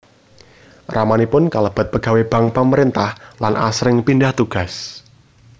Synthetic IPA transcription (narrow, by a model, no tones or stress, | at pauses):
ramanipʊnkaləb̥a̤t̪̚pəɡ̥a̤web̥ä̤ŋpəməɾint̪ahlanʔasɾɪŋpindaht̪uɡ̥a̤s